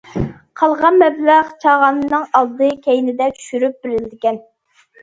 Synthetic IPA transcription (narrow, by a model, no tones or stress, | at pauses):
qʰɑlˠʁɑnmɛblæʁt͡ʃʰɑʁɑnnɨŋɑlˠd̪ɨkʲʰɛjnɪd̪ɛt͡ʃʰy̥ʃyɾyp̚b̥ɪɾɪld̪ɪkʲɛn